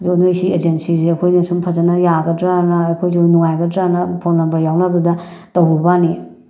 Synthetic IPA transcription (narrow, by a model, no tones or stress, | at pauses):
nojsied͡ʒensiziɐkʰojnɐsumpʰɐzɐnɐjaɡɐdɾanɐːjkʰojzonuŋajɡɐdɾanɐpʰolnɐmbɐɾjawnɐdudɐ | towbubani